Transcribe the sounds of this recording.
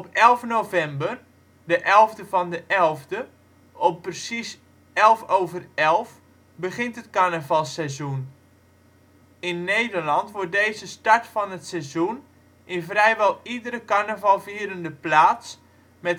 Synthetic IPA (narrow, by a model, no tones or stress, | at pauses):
ɔpɛlˠfnowvɛmbər | dəʔɛlˠvdəvɔndəʔɛlˠvdə | ʔɔppːrəsis | ɛlˠfoːvərɛlˠf | bəχɪntətkanəvɑlˠsɛjzun | ɪnːejdərlɑntʋʊɹt̚dejzəstaɹtfɔnətsɛjzun | ʔɪnvrɛjʋɛlˠidəɾəkanəvɑlˠviːɾəndəplaːts | mɛt